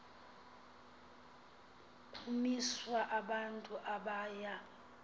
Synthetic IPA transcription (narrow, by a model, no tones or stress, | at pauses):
kʰumiswaʔaɓantʼuʔaɓaːja